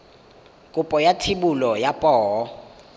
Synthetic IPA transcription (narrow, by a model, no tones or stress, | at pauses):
kʼupʼɔjatʰiɓulɔjapʼɔːɦɔ